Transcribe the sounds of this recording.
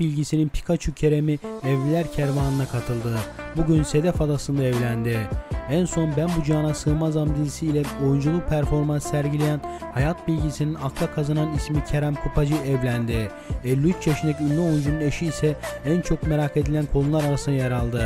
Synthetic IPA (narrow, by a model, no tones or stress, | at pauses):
bilʲɟisininpʰi̥kʰat͡ʃʰucʰe̞ɾe̞miɛvʲilʲæɾcʰæɾvaːnɯnakʰat̪ʰɯlˠd̪ɯbuɟynse̞d̪ɛfad̪asɯnd̪aɛvlʲænd̪ɪænso̞nbænbud͡ʒaːnasɯmazamd̪izisiːlʲɛo̞jund͡ʒulˠupʰæɾfo̞ɾmanssæɾɟilʲejænhajat̪̚bilʲɟisininaklˠakʰazananismicʰe̞ɾæmkʰupʰad͡ʒɯʔɛvlʲænd̪ɪ | ɛlʲːyyt͡ʃt͡ʃʰeʃnɛcynlʲyojund͡ʒunune̞ʃiːsɛænt͡ʃʰo̞kme̞ɾakʰe̞d̪ilʲænkʰo̞nunlˠaɾaɾasɯnajaɾalˠd̪ɯ